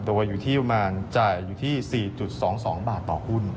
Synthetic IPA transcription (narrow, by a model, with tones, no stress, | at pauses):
d̪uː˧juː˨˩t̪ʰiː˥˩˧maː˧nt͡ɕaː˨˩jːuː˨˩t̪ʰiː˥˩siː˨˩t͡ɕu˨˩t̪̚sɔː˩˦ŋsɔː˩˦ŋbaː˨˩t̪ːɔː˨˩hʰu˥˩n